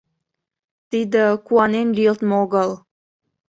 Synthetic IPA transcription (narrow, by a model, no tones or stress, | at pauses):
t̪id̪ə̆kuɑnenlʲijəlt̪moɣəl